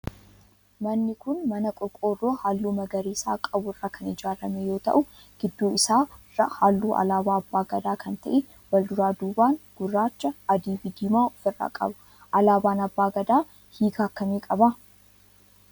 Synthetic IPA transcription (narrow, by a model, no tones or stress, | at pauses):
mɐnːɪkʊnmɐnɐkʼʊɾkʼoːro̞ːhaːlːuːmɐɡɐɾiːsa̰ːkʼɐbʊrːaːkʰɐnɪd͡ʒaːɾɐmejo̞ːt̪ɐ̰ʔʊ | ɡ̥ɪd̪ːoːɪsaːrɐhaːlːuːʔɐ̰laːbaːɐbːaːɡɐd̪aːkʰɐnt̪ɐʔɛ | wɐld̪ʊɾaːd̪uːbaːŋɡ̥ʊrːaːt͡ʃːɐɐd̪iːbɪd̪ɪmaːɔfɪrːa̰ːkʼɐ̰bʊ̥ | ʔɐlaːbaːnɐbːaːɡɐd̪aː | hiːɡaːkːɐmiːkʼɐbɐ